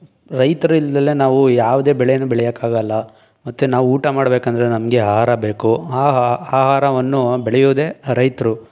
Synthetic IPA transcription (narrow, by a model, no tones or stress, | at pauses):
ɾɐjt̪ɐɾuild̪ɐlːenaːʋujaːʋud̪e̞ːbɛɭɛjɐnːubɛɭɛjɐkːaːɡɐlːɐ | mɐt̪ːunaːʋuuːʈɐmaːɽbeːkɐnd̪ɐɾenɐmɡe̞aːɦaːɾɐbe̞ːkuaːaːɦaːɾɐʋɐnːubɛɭɛjoːd̪e̞ːɾɐjt̪ɾu